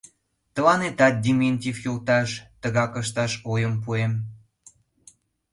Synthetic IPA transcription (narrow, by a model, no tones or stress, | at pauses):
t̪ə̆lɑnet̪ɑt̪̚d̪ʲimenʲt̪ʲifjolt̪ɑʃt̪ə̆ɣɑkə̆ʃ̬t̪ɑʃojəmp̬uem